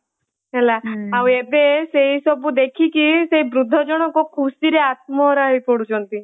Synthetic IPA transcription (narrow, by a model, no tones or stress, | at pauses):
ɦɛlaawebeseɦisɔbud̪ekʰikiseɦibɾud̪ʱːɔd͡ʒɔɽ̃ɔkɔkʰusiɾeat̪̚mɔɾaɦipɔɽut͡ʃʰɔnt̪i